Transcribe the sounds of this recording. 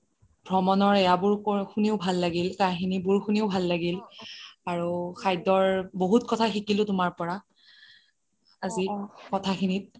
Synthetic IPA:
bʱɹɔmɔnɔɹɛjabʊɹkxuniʊbʱalːaɡilkajxinibuɹxuniʊbʱalːaɡilaɹuxʰajdɔɹboɦut̚kɔtʰaxikilʊ̃tʊmaɹpɔɹa | azikɔtʰaxinit̚

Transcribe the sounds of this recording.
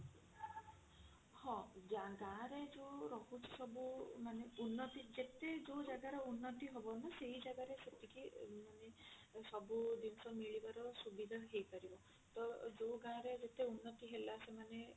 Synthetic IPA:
hɔ̃d͡ʒaɡãːɾed͡ʒoɾɔɦut͡ʃʰi̥sɔbumaneunːɔt̪id͡ʒet̪ed͡ʒod͡ʒaɡaɾɔunːɔt̪iɦobɔnaseɦid͡ʒaɡaɾeset̪ʰikimanesɔbud̪inɔsɔmiɭibaɾɔsubid̪ʱaɦejpaɾibɔ | t̪ɔd͡ʒoɡãɾed͡ʒet̪eunːɔt̪iɦelasemane

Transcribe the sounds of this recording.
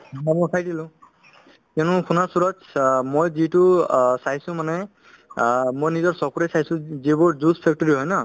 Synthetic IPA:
amɔjkʰajdilʊ̃ | kɛnʊ̃kʰunasuɹɔtmojzitʊsaɦsʊ̃manɛ | mojnizɔɹsɔkuɹejsajsʊ̃zibʊɹzuspʰɛk̚tɔɹiɦɔjna

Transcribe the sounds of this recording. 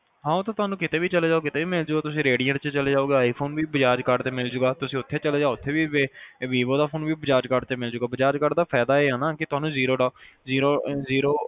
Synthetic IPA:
ɦãːõt̪ãːt̪ʊaːnũːkɪt̪eːʋiːt͡ʃəleːd͡ʒaːoːkɪt̪eːʋiːmɪld͡ʒʊɡaːt̪ʊsĩːɾeːɖijəɾt͡ʃət͡ʃəleːd͡ʒaːoːɡeːaːiːpʰoːnʋiːbəd͡ʒaːd͡ʒkəɾɖt̪eːmɪld͡ʒʊɡaːt̪ʊsĩːʊt̪ʰːeːt͡ʃəleːd͡ʒaːʊt̪ʰːeːʋiːʋeːʋiːʋoːd̪aːpʰoːnʋiːbəd͡ʒaːd͡ʒkəɖt̪eːmɪld͡ʒʊɡaːbəd͡ʒaːd͡ʒkəɾɖd̪aːpʰɛːd̪aːeːɦaːnaːkɪt̪ʊaːnũːziːɾoːɖaːziːɾoːziːɾoː

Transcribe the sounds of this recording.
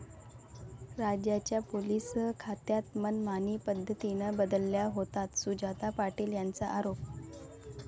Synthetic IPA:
ɾad͡ʑjat͡ɕjapolisəkʰat̪jat̪mənmanipəd̪ʱːət̪inəbəd̪əlːjaɦot̪at̪sud͡ʑat̪apaʈiːljant͡saʔaɾop̚

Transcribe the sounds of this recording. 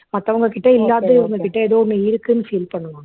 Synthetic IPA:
mɐt̪ːɐʋɐŋɡɐkɪʈːɐɪlːaːt̪ɯʋɐŋɡɐkɪʈːɐɛðoːɔnːɯɪɾɯkːɯnːɯfiːlpɐɳːɯmaː

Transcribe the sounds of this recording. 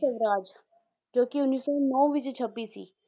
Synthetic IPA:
ɐʋɾaːd͡ʒ | d͡ʒoːkiʊnːisɔːnɔːʋɪt͡ʃt͡ʃʰɐbiːsḭː

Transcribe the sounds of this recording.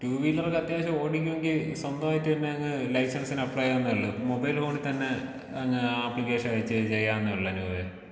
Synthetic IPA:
tuːʋijilːɐrekːɐt̪jaːɕɐoːɽikʲːume̞ŋɡilswɐnd̪ɐmaːjitːɨt̪ɐnːeɐŋːɐlɐjsɐnsinɐpːɭɐjaenːɐɐɭːɐmobɐjlfo̞ːɳit̪ɐnːe̞ | ɐŋːɐaːplikːeːʂɐɐjit͡ɕːɨt͡ɕejːaːnːɨʋiɭːɐnuːʋe

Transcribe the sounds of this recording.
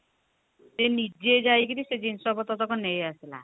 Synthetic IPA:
d͡ʒenid͡ʒed͡ʒajkiɾised͡ʒinsɔbɔt̪ɔt̪ɔkɔnejasila̰

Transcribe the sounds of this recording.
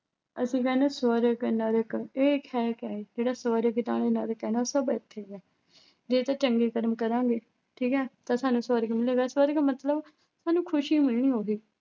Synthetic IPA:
əsĩːkɛːneːswəɾəknəɾəkeːkʰɛːkɛːeːd͡ʒeːɽaːsʋəːɾəkɪt̪ã̰ːɽeːnəɾəkɦɛːnaosəbɪt̪ʰːeːɡɛː | d͡ʒeːt̪ãːt͡ʃəŋɡeːkəɾəmkəɾãːɡeː | ʈʰiːkɛːt̪ãːsaːnũːsʋəːɾəkmɪleːɡaːsʋəːɾəkmət̪ləb | saːnũːkʰʊʃiːmɪlɳ̃iːɦoːɡiː

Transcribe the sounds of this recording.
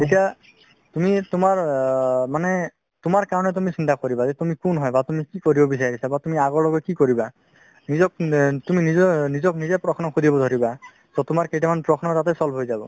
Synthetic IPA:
etija | tumitumaɹmanɛ | tumaɹkaɹɔnɛt̬umisintakoɹibazɛtumikunɦɔjbatumikikoɹibɔbis̬aɹisabatumiaɡɔɹlɔɡɔkikoɹiba | nizɔktuminizɔnizɔknizɛpɹɔkʰnɔkʰudibɔdʱoɹiba | sɔtumaɹkejtamanpɹɔkʰnɔtatɛsɔlbɦojzabɔ̰

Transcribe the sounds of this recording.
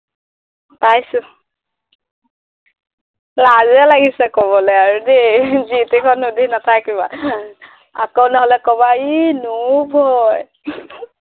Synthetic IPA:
pajsʊ | lazɛlaɡisɛkoβɔlɔjaɹudezitekʰɔnːudinatʰakiba | a̰kownɔɦɔlɛkɔbainubʱɔj

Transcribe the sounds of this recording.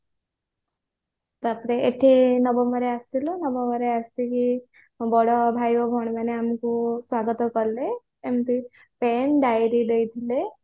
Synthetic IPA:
t̪apɾeeʈʰinɔbɔmbɔɾeasilɔnɔbɔmbɔɾeast̪iki | bɔɽɔbʱajbɔbʱɔɽ̃maneamkuswaɡɔt̪ɔkɔɾle | emt̪i | penɖajɾid̪ejt̪ʰile

